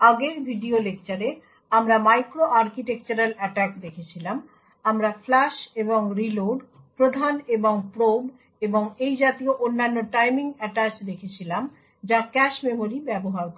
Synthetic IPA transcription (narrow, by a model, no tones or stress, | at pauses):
aɡeɾbʱiɖiolekt͡ɕaɾe | amɾamajkɾoʔaɾkiʈek̚t͡ɕaɾalɛʈɛkd̪ekʰet͡ɕʰilam | amɾaflaʃeboŋɾiloɖ | pɾod̪ʱaneboŋpɾob | eboŋejd͡ʑat̪ioʔonːanːoʈajmiŋɛʈat͡ɕd̪ekʰet͡ɕʰilam | d͡ʑakɛʃmemoɾibɛboɦaɾkɔ